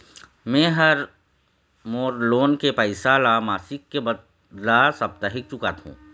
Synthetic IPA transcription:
mɛ̃ːɦɐɾ | moːɾloːnkepəɪsalamaːsɪkːeb | lasɐb̚t̪əɦɪk̚t͡ʃʊkat̪ʰṵ̃ː

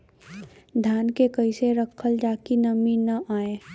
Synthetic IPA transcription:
d̪ʱjaːnkekɐiseɾɐkʰəld͡ʒaːkinɐminɐʔaːeː

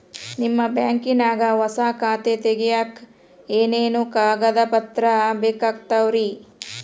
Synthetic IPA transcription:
nimːɐbjaːŋkinaːɡɐʋɐsaːkaːt̪et̪eɡɛjaːk | eːneːnukaːɡɐd̪ɐpɐt̪ɾɐbɛːkaːɡ̚t̪ɐwɾi

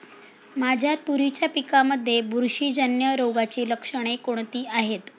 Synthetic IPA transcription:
mad͡ʑʱjat̪uɾit͡ɕjapikaməd̪ʱːjebuɾʂiːd͡ʑənjəɾoɡat͡ɕiːləkʂəɽ̃ekoɳ̃t̪iːʔaɦet̪

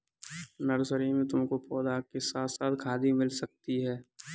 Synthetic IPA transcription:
nɐɾsəɾimet̪õkopɔːd̪akesaːt̪ʰsaːt̪kʰaːd̪imɪlsɐk̚t̪iɦɛː

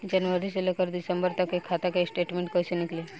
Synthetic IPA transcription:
d͡ʒɐnʋəɾiselekəɾd̪ɪsə̃mbəɾt̪ɐkekʰːat̪akesʈeːʈmẽɳʈ̚koːsenɪkle

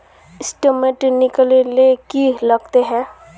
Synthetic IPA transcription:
ɪsʈəmeʈnɪkəlelekilɐɡt̪eɦɛ̃ː

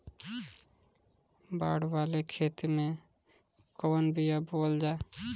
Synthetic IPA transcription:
ba̰ːɽwaːlekʰeːt̪mẽ | kɔwənbijabold͡ʒaː

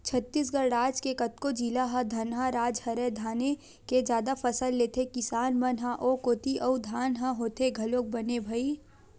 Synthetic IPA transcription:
t͡ʃʰɐt̪ːiːs̬ɡɐɾɾaːd͡ʒkekɐt̪̚kod͡ʒiːlaɦãd̪ʱɐnɦaɾaːd͡ʒhɐɾɛd̪ʱaːne | ked͡ʒjaːd̪afɐsəlːeːt̪ʰekɪsaːnmɐnɦaʔoːkoːt̪iʔɐud̪ʱaːnɦãɦoːt̪eɡʱɐloːk̚bɐnebʱai

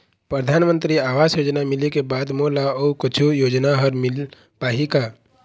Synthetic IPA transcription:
pɾəd̪ʱaːnmə̃nt̪ɾiaːʋaːsjoːd͡ʒnamɪlekebaːd̪moːlaoukʊt͡ʃʰujoːd͡ʒnaɦəɾmɪl | paːɦikaː

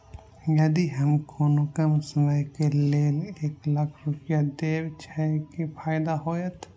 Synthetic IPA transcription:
jɐd̪iɦɐmkʰoːnukəmsəməjkeleːleːklɐkʰɾʊpjad̪eːwt͡ʃʰɛkipʰaːjɪd̪aɦoːjət̪ʰ

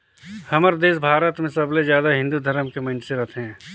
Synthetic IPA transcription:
hɐməɾd̪eːsbʱaːɾət̪mẽsɐblezjaːd̪aɦɪ̃nd̪ud̪ʱəɾəmkemɐ̃nt͡ʃseɾɐt̪ʰeɦɛ̃ː

